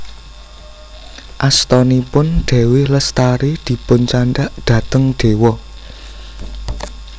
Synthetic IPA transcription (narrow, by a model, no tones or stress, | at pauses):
ʔast̪ɔnipʊnɖ̪̥ɛ̤wɪhləst̪aɾid̪̥i̤pʊnt͡ʃaɳɖaʔd̪̥ä̤t̪əŋɖ̥e̤wɔ